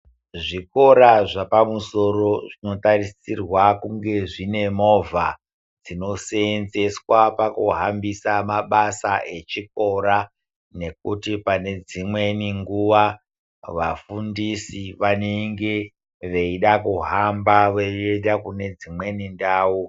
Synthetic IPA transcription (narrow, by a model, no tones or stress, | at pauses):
ʐiko̞ɾaʐapamuso̞ro̞ʐino̞tarisirwakuŋɡe̞ʐine̞mo̞vʱa | d͡zino̞seenze̞swapakuɦambisamaɓasaʔe̞t͡ʃik̚o̞ɾa | ne̞k̚utipane̞d͡zimwe̞niŋɡuʋa | ʋafundisiʋaneŋɡe̞ | ʋeiɗakuɦambaʋeedakune̞d͡zimwe̞nindaːwu